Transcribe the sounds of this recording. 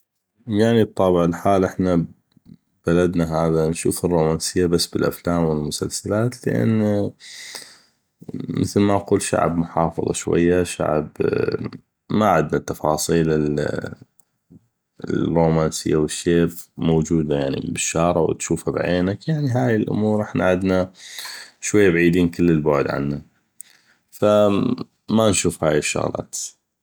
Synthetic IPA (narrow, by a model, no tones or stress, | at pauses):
jaʕnib̚t̪ˤːɑːbɪʕɪlħaːlʔɪħna | b̥alad̪naɦaːðanʃṵːfɪrːoːmaːnsɪjːabasːbɪlʔa̰flaːmwɪlmʊsalsalaːt̪lɪʔa̰nː | mɪθlmaʔquːlʃa̰ʕbmʊħɑːfɑ̰ðˤɑ̰ʃwa̰jːaʃa̰ʕb | maʕɪd̪nat̪ːɑfɑːsˤiːlɪl | roːmaːnsɪjːawɪʃːeːfmowd͡ʒuːd̪ajaʕnḭbɪʃːɑːɾˤɑ̰w̰t̪ʃuːfabʕeːnakjaʕniɦaːjɪlʔʊ̰muːɾˤʔɪħna̰ʕɪd̪na | ʃwajːabʕiːd̪iːnkəlːɪlbʊʕd̪ʕa̰nːa | fa | manʃuːfhaːjɪʃːʊ̰ɣlɑ̰ːt̪